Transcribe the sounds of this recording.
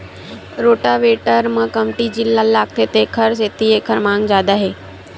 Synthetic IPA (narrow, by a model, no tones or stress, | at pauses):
ɾoːʈaʋeːʈəɾmə̃kəmʈid͡ʒilːalːaːk̚t̪ʰeːt̪ekʰəɾseːt̪iekʰəɾmãːŋɡd͡ʒjaːd̪aɦeː